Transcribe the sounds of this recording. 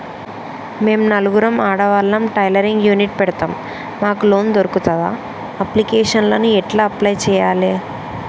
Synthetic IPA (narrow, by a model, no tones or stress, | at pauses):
me̞ːmnɐluɡuɾɐmaːɽɐʋɐlːɐmʈɐjlɐɾiŋɡjuːniʈ̚pɛɽɐt̪aːm | maːkulo̞ːnd̪oɾukut̪ɐdaː | ɐplikeːʂɐnlɐnuɛʈlaːɐplɐjt͡ʃɛːjaːleː